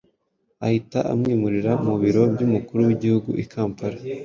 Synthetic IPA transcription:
ahitaʔa̰mŋiːmuɾiɾaumuβiɾo̞bɟumukuɾuwiɟihuɡṵʔikʰaːmpaɾa

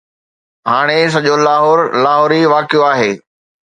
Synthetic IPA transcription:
ɦaːɽ̃es̬ɐʄolaːɦɔːɾlaːɦɔːɾiʋaːkɪjoaːɦeː

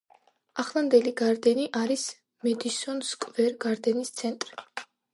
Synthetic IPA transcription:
aχlˠand̪ɛliɡaɾd̪ɛniʔaɾis | mɛd̪isɔnskʼvɛɾɡaɾd̪ɛnist̪sʰɛnt̪ʼɾi

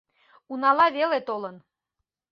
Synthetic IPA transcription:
unɑlɑβelet̪olən

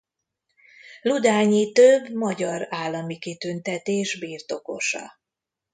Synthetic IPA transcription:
lud̪aːɲit̪øbːmɒɟɒɾaːlːɒmikit̪ynt̪ɛt̪eːʒbiːrt̪o̞ko̞ʃɒ̰

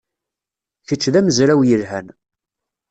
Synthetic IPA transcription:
çət͡sːðæməzɾæwjəlɦæn

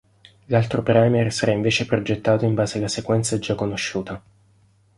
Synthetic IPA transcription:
lalt̪ɾopɾɛmersaɾaiɱveːt͡ʃepɾod͡ʒet̪ːaːt̪oiɱbaːzealasekwɛnt̪saɛd͡ʒakːonoʃːuːt̪a

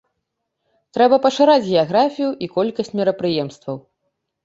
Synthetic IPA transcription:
t̪ɾɛbɐpɐʂɨɾad͡zʲɣʲɛaɣɾafʲijuʔikɔlʲkɐsʲt͡sʲmʲiɾɐpɾɨjɛmst̪vɐw

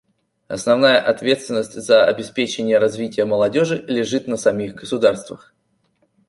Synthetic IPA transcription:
ɐ̰snɐvnajəʔɐt̪vʲe̞t̪st̪vʲɪnːəsʲtʲzəɐbʲɪspʲet͡ɕɪnʲɪjəɾɐzvʲitʲɪjəməlˠɐdʲo̞ʐɨlʲɪʐɨt̪nəsɐmʲixɡəsʊd̪arst̪vəx

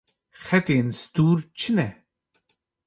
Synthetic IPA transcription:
xɛt̪eːnsd̪uːɾt͡ʃʰɨnɛ

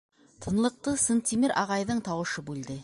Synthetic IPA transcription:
t̪ʰɤ̆nlˠə̆q̚t̪ɤsənt̪ʲimeɾʔɑʁɑjðɤɴt̪ʰɑwɤ̆ʃɤbʉld̪ɪ

